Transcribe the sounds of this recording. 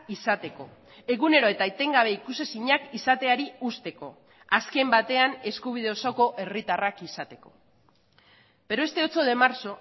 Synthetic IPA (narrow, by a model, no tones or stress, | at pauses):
isat̪e̞ko̞ | e̞ɣune̞ɾo̞e̞t̪ajt̪e̞ŋɡaβ̞e̞ikuse̞siɲakisat̪e̞aɾiust̪e̞ko̞̰ | aske̞mbat̪e̞ane̞skuβ̞iðe̞o̞so̞ko̞ʔe̞rit̪arakisat̪e̞ko̞ | b̥e̞ɾoe̞st̪e̞ot͡so̞ðe̞maɾso̞